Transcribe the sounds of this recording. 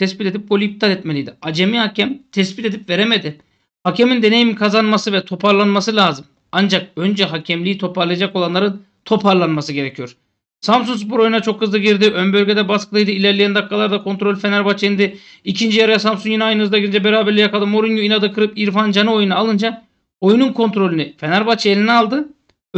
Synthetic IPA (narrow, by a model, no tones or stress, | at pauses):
t̪ʰɛspit̪e̞d̪ip̚bo̞lʲip̚t̪ʰat̪ɛt̪̚me̞lʲijd̪iad͡ʒemihacʰæmt̪ʰɛspit̪e̞d̪ipve̞ɾeme̞d̪ɪ | hacʰɛmind̪e̞nejimikʰazanmasɯvɛt̪ʰo̞pʰaɾlˠanmasɯlʲaːzɯm | and͡ʒak̚ø̞nd͡ʒɛɦacʰɛmlʲiːit̪ʰo̞pʰaɾlˠɯjad͡ʒako̞lˠanlˠaɾɯn | t̪ʰo̞pʰaɾlˠanmasɯɟe̞ɾecʰijo̞ɾ | samsuns̬buɾo̞junat͡ʃʰo̞khɯzlˠɯɟiɾd̪iʔønbø̞lʲɟe̞d̪ɛbaskʰɯd̪ˠajd̪ɯilʲæɾlʲijænd̪akːalˠaɾd̪akʰo̞nt̪ɾo̞lʲfe̞næɾbat͡ʃʰeind̪ɪ | icʰind͡ʒijaɾajas̬amsunjiniajnɯɯzd̪aɯɯnd͡ʒabeɾaːbɛɾlʲijakald̪ɯmo̞ɾinjuinad̪ɯkʰɯɾɯpiɾfand͡ʒanɯo̞junaːlˠɯnd͡ʒa | ojununkʰo̞nt̪ɾo̞lʲynyfe̞næɾbat͡ʃʰelʲinɛalˠd̪ɯ